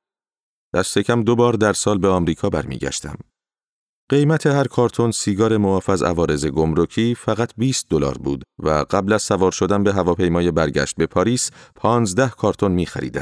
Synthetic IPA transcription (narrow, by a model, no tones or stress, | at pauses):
d̪̥æst̪ʰe̞cʰæmd̪obɒːɾd̪æɾsɒːlbe̞ɒːmɾiːkʰɒːbæɾmḭːɟæ̰ʃt̪æ̰m | ɢ̥e̞jmæt̪ʰe̞hæɾkʰɒːɾt̪ʰo̞nsiːɡɒːɾe̞moɒːfæzæ̰vɒːɾe̞ze̞ɡo̞mɾocʰiːfæɣæt̪ʰbiːst̪̚d̪olɒ̰ːɾbṵːd̪væ̰ɢæblæz̥sævɒːɾʃo̞d̪ænbe̞ɦævɒːpʰe̞jmɒːje̞bæɾɟæ̰ʃt̪̚be̞pʰɒːɾiːspʰɒːnzd̪æhkʰɒːɾt̪ʰo̞nmiːxæ̰ɾḭːd̪æ̰n